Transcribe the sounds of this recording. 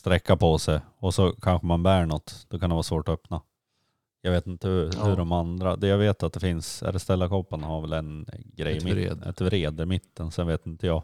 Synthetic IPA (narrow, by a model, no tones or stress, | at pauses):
st̪ɾɛkːapʰɔsɛj | ɔsɔkʰanɧəmanbæːɳɔt̪ːd̪̥ɔkʰand̪ɛvɑːsvoːʈɔœpna | jɑɡveːt̪ɪnt̪əhɵɾɔmand̪ɾad̪ɛjaɡveːt̪at̪̚d̪ɛfɪnsɛ̰ɾst̪ɛlːakʰɔpːənhaɾvɛlɛnɡɾɛjɪm̰ɛ̰t̪ʰɾeːd̪əmɪt̪ʰːənsɛnveːt̪ɪnt̪əjɑː